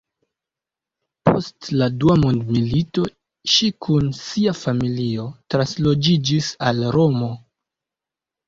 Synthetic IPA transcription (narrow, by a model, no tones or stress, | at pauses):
pʰo̞̰stladuamundmilito̞ | ʃikʰunsiafamilio̞tɾanslo̞d͡ʒid͡ʒisalɾo̞mo̞